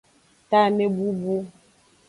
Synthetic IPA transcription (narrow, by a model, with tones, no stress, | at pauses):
ta˦ne˦bu˦bu˦